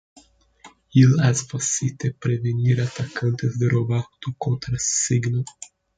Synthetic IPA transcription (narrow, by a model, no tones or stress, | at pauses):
ilazfasit̪epɾeveniɾat̪akɐ̃nt̪ɪzd̪ɪrobaht̪ʊkõnt̪ɾassiɡno